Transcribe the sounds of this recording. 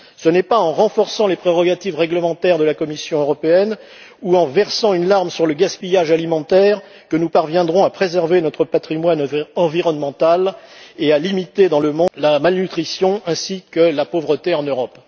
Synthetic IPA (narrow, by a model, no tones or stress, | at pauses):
sənɛpaɑ̃ʁɑ̃fɔʁsɑ̃lepχeʁɔɡat̪ivʁɛɡləmɑ̃t̪ɛʁd̪əlakɔmisjɔ̃øʁɔpeɛn | uɑ̃vɛʁsɑ̃ynlaʁmsyʁləɡaspijaʒalimɑ̃t̪ɛʁ | kənupaʁvjɛ̃d̪ʁɔ̃apχezɛʁvenɔt̪χəpat̪χimwanɑ̃viʁɔnmɑ̃t̪alealimit̪ed̪ɑ̃ləmɔ̃lamalnyt̪χisjɔ̃ɛ̃sikəlapovʁət̪eɑ̃nøʁɔp